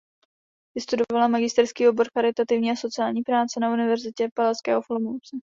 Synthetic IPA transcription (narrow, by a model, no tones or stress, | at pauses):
vɪst̪udo̞valamaɡɪst̪ɛɾskiːobo̞ɾxaɾɪt̪at̪ɪvɲiːaso̞t͡sɪaːlɲiːpɾaːt͡sɛnaunɪvɛɾzɪcɛpalaskɛ̰ːɦo̞flomot͡sɛ